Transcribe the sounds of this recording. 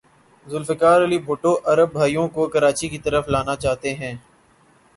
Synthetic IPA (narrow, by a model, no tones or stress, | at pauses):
zʊlfɪkaːɾɐlibʱʊːʈoːʔɐɾəbːʱaːijõkokɐɾaːt͡ʃikit̪əɾəflaːnat͡ʃaːɦt̪eɦɛ̃ː